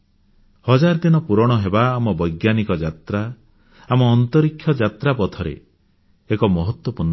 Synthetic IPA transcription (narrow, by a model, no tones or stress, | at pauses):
hɔd͡ʒaɾd̪inɔpuɾɔɽ̃ɔɦebaːmɔbɔjɡjanikɔd͡ʒat̪ɾa | amɔːnt̪ɔɾikʰːjɔd͡ʒat̪ɾapɔt̪ʰɔɾḛ | ekɔmɔɦɔt̪wɔpuɾn